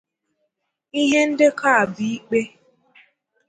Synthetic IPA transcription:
i˦ɦe˦n̩˦dɪ˦kʰa˦a˨bi˨˦i˦k͡pe˦

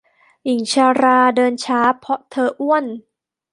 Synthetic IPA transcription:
ʔi˨˩ŋt͡ɕʰaː˧ɾaː˧dɤː˧nt͡ɕʰaː˨˦˥pʰɔ˦˥ʔt̪ʰɤː˧ʔu˥ən

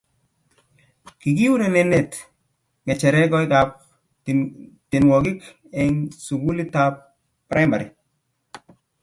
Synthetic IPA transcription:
ki˨ki˦wu˦ɾe˨nɛ˨ne˨t | ŋɛ˨t͡ʃɛ˨ɾɛ˦kɔ˦i˦ka˨p̚ | te˨nwɔ˨ki˦k | ɛ˨ŋsu˨ɡu˦li˦ta˦p̚ː | ɾa˦ma˨ɾi˨

